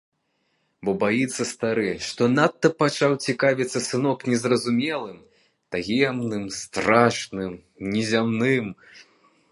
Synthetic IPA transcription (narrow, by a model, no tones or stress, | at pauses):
bɔbajit̪sːɐst̪aɾɨʂt̪ɔnat̪ːɐpat͡ʂawt͡sʲikavʲit̪sːɐsɨnɔknʲɛzrɐzumʲɛlˠɨm | t̪aɣʲɛmnɨmst̪ɾaʂnɨm | nʲɛzʲamnɨm